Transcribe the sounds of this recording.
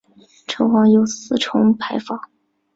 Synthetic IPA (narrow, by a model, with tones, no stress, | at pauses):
ʈ͡ʂʰɤ˧˥ʊxɑ˧˥ŋjo˧˩ʊsɹ̩˨˥˩ʈ͡ʂʰʊ˧˥ŋpʰa˧˥ɪfɑ˨˥˩